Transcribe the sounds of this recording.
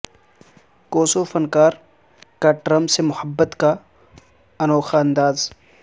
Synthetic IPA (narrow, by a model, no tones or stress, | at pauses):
koːsoːfɐnkaːɾ | kaʈɾəmsemʊhəbːət̪ka | ɐnɔːxaɐ̃nd̪aːz